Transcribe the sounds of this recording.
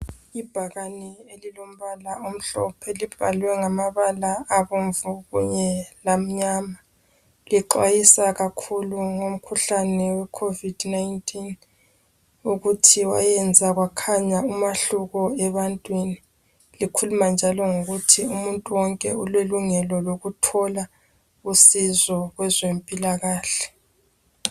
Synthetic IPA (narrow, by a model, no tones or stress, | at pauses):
ib̥ʱaɣanɛelilom̩βalaom̩ɬɔ̰pʰɛlib̥ʱa̰lwɛŋamaβalaːβoɱvuɣṵɲɛlam̩ɲaːma | liǃajisaɣakʰuluŋom̩kʰuɬanɛwɛkʰovid̥naintʰʼin | uɣutʰiwa̰jɛnd͡zʱaɣwakʰaɲaumaɬuɣɔɛβantʼwini | likʰulumand͡ʒʱalɔŋoɣutʰiumuntʼuwɔŋkʼɛulweluŋɛlɔloɣutʰɔla | usizɔɣwɛzempʼilaɣaːɬɛ̥